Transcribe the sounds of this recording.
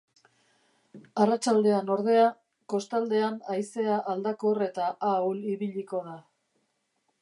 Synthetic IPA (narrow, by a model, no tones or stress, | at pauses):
arat͡ʃald̪e̞ano̞ɾð̞e̞a | ko̞st̪ald̪e̞anajse̞aʔaːld̪akore̞t̪aʔauliβiʎiko̞ða